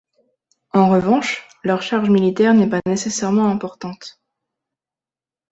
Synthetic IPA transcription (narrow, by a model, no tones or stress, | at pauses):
ɑ̃ʁəvɑ̃ʃ | lœʁʃaʁʒmilit̪ɛʁnɛpanesesɛʁmɑ̃ɛ̃pɔʁt̪ɑ̃t̪